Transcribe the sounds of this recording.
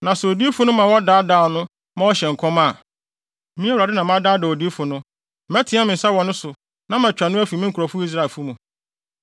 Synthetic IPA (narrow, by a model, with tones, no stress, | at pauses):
nã˨sʊ˨o˨di˦fʊ˨˦nʊ̃˦mã˨wɔ˦daː˦daː˦˨nʊ̃˦ | mã˦wɔ˦ɕɛ˨ŋ̩˨kʰɔ̃˦ma˦˨˦ | mĩ˦ɛ˦u˨ɾa˨dɪ˦nã˨m˦ã˦daː˦dɛ˨o˨di˦fʊ˨nʊ̃˦ | mæ˦tʰɪ̃˨˦a˦mɪ̃˨n̩˨sa˦wɔ˨nʊ̃˦sʊ˨ | nã˦m˨æ̃˨t͡ɕᶣa˨nʊ̃˦æ˦fi˨mɪ̃˦ŋ˦kʰɾɔ˨fʊ˦i˦s̬ɾa˦˨fu˦mũ˨